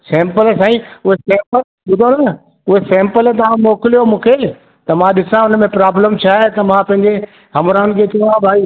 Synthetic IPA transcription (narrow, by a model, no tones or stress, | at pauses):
sɛ̃ːmpəlsaːĩʊɦesɛ̃ːmpəl | ɓʊd̪ʱonɐ | ʊɦesɛ̃ːmpəlt̪̬ɐʋ̤ãmoːkɪlijomũːkʰeː | t̪ɐmãɗɪsãʊnəmẽpɾaːbləmt͡ɕʰaːet̪ɐmãpɐ̃ɦɪ̃ɲd͡ʑe | ɦɐmɾaːʊnɪkʰet͡ɕɐʋãbʱaːi